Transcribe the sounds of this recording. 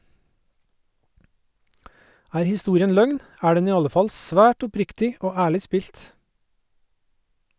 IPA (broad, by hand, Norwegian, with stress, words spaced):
ˈæːɾ hɪˈstuːɾɪən ˈlœŋn ˈæː ˈɖɛn ˈiː ˈɑlə ˈfɑl ˈsʋæːʈ ʊˈpɾɪktɪ ˈoː ˈæːɭɪ ˈspiːlt